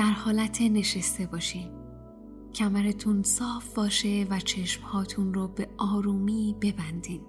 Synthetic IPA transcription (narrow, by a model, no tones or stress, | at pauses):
d̪̥æɾhɒːlæt̪ʰene̞ʃest̪e̞bɒːʃiː | cʰæmæɾet̪ʰunsɒːfbɒːʃe̞væt͡ʃʰe̞ʃmhɒːt̪ʰunɾobe̞ɒːɾuːmiːbe̞bænd̪iːn